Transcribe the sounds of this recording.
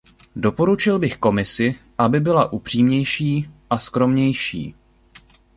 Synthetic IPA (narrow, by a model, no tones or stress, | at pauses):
do̞po̞ɾut͡ʃɪlbɪxko̞mɪsɪ | ʔabɪbɪlaʔupr̝̥iːmɲɛjʃiːʔaskɾo̞mɲɛjʃḭː